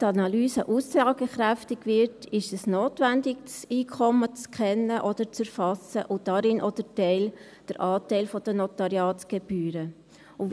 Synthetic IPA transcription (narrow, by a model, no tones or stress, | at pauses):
tɑnɑlyːsə̰ʔusɑːɡəχɾæftɪɡ̥vɪɾtʰɪʃɛsnoːtvændɪɡsiːkʰɔmət͡skʰɛnːəʔɔd̥̪əɾt͡səɾfɑsəʔʊd̥ɑɾɪnʔɔd̥ətɛɪl | d̥əɾʔɑːtɛɪlfɔd̥ənɔt̪ɑɾjɑːtɡ̥ɛb̥yːɾə | ʊ